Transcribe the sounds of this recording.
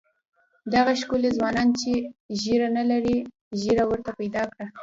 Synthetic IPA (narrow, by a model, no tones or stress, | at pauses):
d̪aɣaʃkulezwɑnɑnt͡ʃeʒiɾanalaɾi | ʒiɾawəɾt̪apajd̪ɑkɽa